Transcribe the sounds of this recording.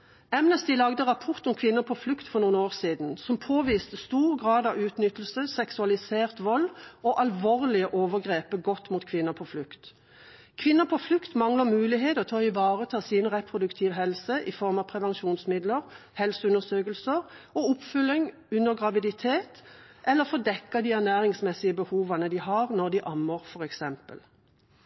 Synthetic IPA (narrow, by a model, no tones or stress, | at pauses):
ɛmnɛst̪iːlɑɡd̪əʁɑpʰɔʁt̪ɔmkʰʋɪnːəpʰɔflʉkt̪fɔʁnuːənoːʁsiːd̪n̩sɔmpʰoːʋiːst̪əst̪uːʁɡʁɑːd̪ɑʉːt̪nʏt̪əl̩səsɛksʉɑlɪseːʁt̪ʋɔlːɔʔɑlʋoːʁlɪəʔoːʋəɡʁeːpəɡɔt̪ːmuːt̪̚kʰʋɪnːəpʰɔflʉkt̪ | kʰʋɪnːəpʰɔflʉkt̪mɑŋləʁmʉːlɪɦeːt̪ɔt̪ʰɑːɪʋɑːʁət̪ʰɑːsɪnʁɛpʰʁʊd̪ʉkt̪ʰiːʋɦɛlsəʔɪfɔʁmɑpʰʁɛʋɛnʃuːnsmɪd̪ləʁ | hɛlsəʉnəʁsøːkəlsəʁ | ɔʊpfʏlːɪŋ | ʉnəʁɡʁɑʋɪd̪ɪt̪ʰeːt̪ | ʔɛlːəʁfɔd̪ɛkːɑd̪iːæʁnæːʁɪŋsmɛsɪəbəhuːʋɑnəd̪iːɦɑʁnɔʁd̪iʔɑmːəʁfɔʁɛksɛmpə̰l